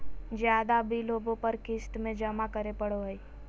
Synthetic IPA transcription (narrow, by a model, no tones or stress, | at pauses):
d͡ʒjaːd̪abʱiloːbõpəɾkɪsʈmẽd͡ʒɐmakəɾepəɽ̤oɦɛi